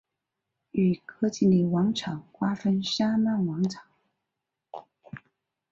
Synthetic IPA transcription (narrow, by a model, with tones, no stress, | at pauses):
y˨˩kʰɤ˥t͡ɕi˥˩li˨˩wɑ˧˥ŋʈ͡ʂʰɑ˨˩˦ŋkwa˥fə˥nʂa˥ma˥˩nwɑ˧˥ŋʈ͡ʂʰɑ̥˨˩˦ŋ